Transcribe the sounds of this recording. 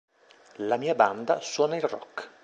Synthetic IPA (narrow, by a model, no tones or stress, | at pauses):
lamiːaband̪a̰swɔːnailrɔ̰k